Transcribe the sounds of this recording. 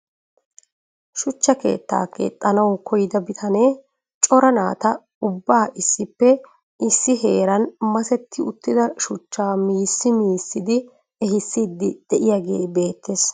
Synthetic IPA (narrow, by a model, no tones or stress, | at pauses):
ʃʊt͡ʃːɐke̞̰ːt̪ːa̰ːkḛːt̪ʼːɐnɐwkɔjɪd̪ɐbɪt̪ʰɐneː | t͡ʃʼɔɾɐna̰ːt̪ɐ | ʊbːaːʔɪsːɪpːɛ | ʔɪsːɪɦe̞ːɾɐnmɐsɛt̪ʰːɪʊt̪ːɪd̪ɐʃʊt͡ʃːaːmiːsːɪmiːsːɪd̪ɪ | ɛɦɪsːiːd̪ːɪd̪̥ɛʔɪjaːɡe̞̰ːbe̞ːt̪ʰːes